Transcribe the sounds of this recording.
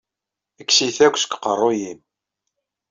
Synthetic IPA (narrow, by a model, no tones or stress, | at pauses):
əkːsiθækʷːskːqərˤːojin